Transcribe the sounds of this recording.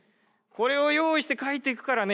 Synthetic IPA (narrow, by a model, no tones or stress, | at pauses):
ko̞ɾe̞o̞jo̞ːiɕi̥t̪e̞kait̪ːeikɯ̟̥kaɾane